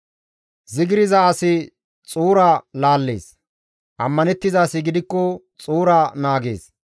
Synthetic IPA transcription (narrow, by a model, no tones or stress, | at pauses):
zɪɡɪɾɪzɐɐsɪ | t͡sʼuːɾalaːlːḛːs | ʔɐmːɐnɛt̪ːɪzaːsɪɡɪd̪ɪkːɔ | t͡sʼuːɾanaːɡe̞̰ːs